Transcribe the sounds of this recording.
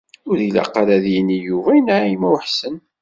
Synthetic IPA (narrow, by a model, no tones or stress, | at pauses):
ʊɾilæ̰qːɑɾæðjinːijuvæənaʕimæwħsən